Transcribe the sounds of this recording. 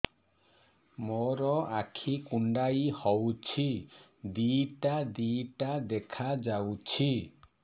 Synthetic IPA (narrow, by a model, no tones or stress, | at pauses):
mɔɾɔakʰikuɳɖajihɔwt͡ʃʰi | d̪iʈad̪iʈad̪ɛkʰad͡ʒawt͡ʃʰi